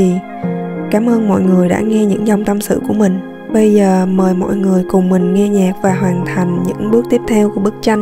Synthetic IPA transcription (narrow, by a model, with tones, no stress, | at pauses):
i˨˩ | kaː˨˦mʔəː˧nmɔ̰˧˨jŋɨ˨˩əjɗa̰ː˧˥ŋɛ˧ɲɨ̰˧˥ŋza˧˩wŋ͡mt̪ə˧msɨ̰˧˨ku˧˩əmï˨˩ŋ̟ | ɓə˧jzəː˨˩məː˨˩jmɔ̰˧˨jŋɨ˨˩əjkʊ˨˩ŋ͡mmï˨˩ŋ̟ŋɛ˧ɲɛ˨˩k̚vaː˨˩ɦwaː˨˩nt̪ʰa˨˩jŋ̟ɲɨ̰˧˥ŋɓɨ˦˥ək̚t̪i˦˥əp̚t̪ʰɛ˧wku˧˩əɓɨ˦˥k̚t͡ɕa˧n